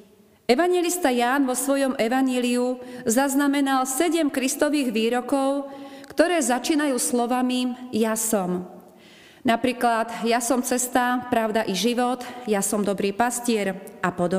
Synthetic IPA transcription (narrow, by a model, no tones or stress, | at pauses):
ɛʋaɲjɛlist̪ajaːnʋɔsʋɔjɔmɛʋaɲɪɛliuzaznamɛnalsɛɟɛmkɾist̪ɔʋiːɣʋiːɾɔkɔʊkt̪ɔɾɛːzat͡ʃiːnajuːslɔʋamijasɔm | napɾiːklad̪jasɔmt͡sɛst̪apɾaʊd̪aʔiʒiʋɔt̪jasɔmd̪ɔbɾiːpascɪɛɾapɔd̪ɔ